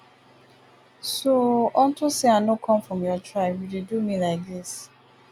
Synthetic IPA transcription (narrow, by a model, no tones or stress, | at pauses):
soɔntoseanokʰɔ̃mfɹɔ̃mjɔtɹaɪbjudedumilaɪk̚dɪs